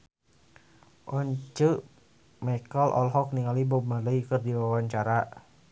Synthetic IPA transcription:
ʔɔɲt͡ʃə | mɛkəlʔɔ̰lɦɔk̚niŋalibɔmaləjkərdiwawaɲt͡ʃaɾa

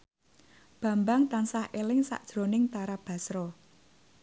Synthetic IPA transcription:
b̥ä̤mbaŋt̪ansahʔelɪŋsa̰ʔd̥ʒ̥ɾo̤nɪŋt̪aɾab̥a̤sɾɔ

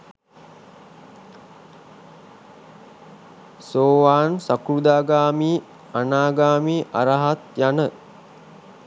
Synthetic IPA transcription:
soːʋaːnsakɾud̪aːɡaːmiː | anaːɡaːmiːʔaɾaɦat̪janə

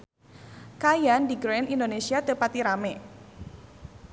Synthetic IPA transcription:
kajandiɡɾoɛnindonesiat̪əpat̪iɾamɛ

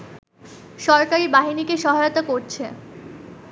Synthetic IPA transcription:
ʃɔɾkaɾibaɦinikeʃɔɦajot̪akoɾt͡ɕʰe

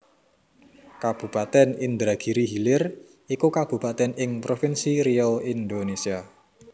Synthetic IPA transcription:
kab̥ṳpat̪ɛnɪnd̪ɾaɡ̥iɾiɦilɪr | ikukab̥ṳpat̪ɛnɪŋpɾofinsiɾiɔind̪onesia

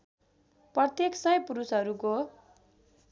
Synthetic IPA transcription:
prʌt̪jeksʌjpuɾusɦʌɾuko

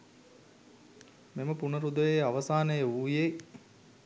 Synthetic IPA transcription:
meməpunəɾud̪əʋeaʋəsaːnəjəuːje

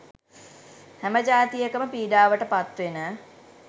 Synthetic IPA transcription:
hæməd͡ʒaːt̪ijəkəməpiːɖaːʋəʈəpat̪ʋenə

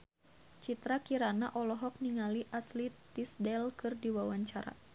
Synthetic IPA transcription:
t͡ʃit̪ɾakiɾanaʔɔlɔɦɔk̚niŋaliʔaslit̪isdɛlkɨrdiwawaɲt͡ʃaɾa̰

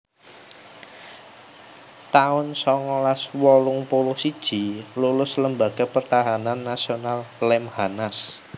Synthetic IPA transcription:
t̪aʊnsɔŋɔlaswɔlʊŋpolʊsid̥ʒ̥i̤lulʊsləmbaɡ̥a̤pərt̪aɦananːasionallɛmhanas

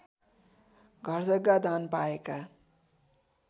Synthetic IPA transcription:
ɡʱʌrd͡zʌɡːad̪anpaeka

